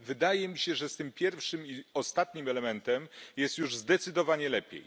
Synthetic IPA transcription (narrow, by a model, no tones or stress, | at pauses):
vɘd̪ajɛmʲiɕɛʐɛst̪ɘmpʲjɛɾfʂɘmiɔst̪at̪ɲimɛlɛmɛnt̪ɛmjɛst̪juʐzd̪ɛt̪sɘd̪ɔvaɲɛlɛpʲjḛj